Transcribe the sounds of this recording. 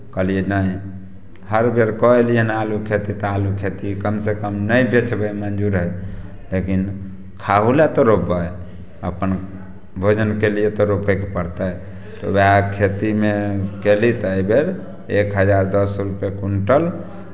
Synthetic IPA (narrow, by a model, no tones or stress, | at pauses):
kəlijenəi | həɾbeɾkɔelijənalukʰet̪it̪alukʰet̪ikəmsekəmnəjbet͡ʃbəmənd͡ʒuɾɦɛ | lekin | kʰaɦulat̪ɔɾopə | ə̰pən | bʱod͡ʒənkelijet̪ɔɾopekepəɾt̪a | t̪ɔ̰beakʰet̪imekelit̪əjbeɾ | ekɦəd͡ʒaɾd̪əsəɾupekuɳʈəl